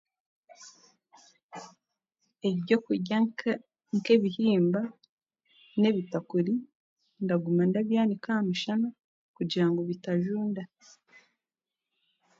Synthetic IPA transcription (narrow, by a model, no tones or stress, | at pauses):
eβɟo̞kuɟa | ŋke̞βihiːmba | ne̞βitakuɾi | ndaɡumandaβjaːnikamuʃana | kuɟiɾaŋɡo̞βitaʒuːnda